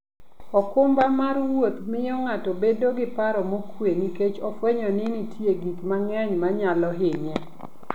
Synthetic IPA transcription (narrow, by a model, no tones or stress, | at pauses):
ɔkʊmbamaɾwot̪mɪjɔŋatobedoɡɪpaɾɔmokweniket͡ʃɔfweɲɔnɪnitʰjeɡikmaŋɛɲmaɲalɔɦɪɲɛ